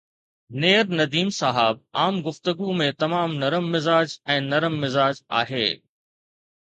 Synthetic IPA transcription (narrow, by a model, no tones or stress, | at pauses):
neːɾnɐd̪iːmsaɦaːb̚aːmɡʊft̪əɡumẽt̪ɐmaːmnɐɾəmːɪzaːd͡ʑɛ̃ːnɐɾəmːɪzaːd͡ʑa̰ːɦeː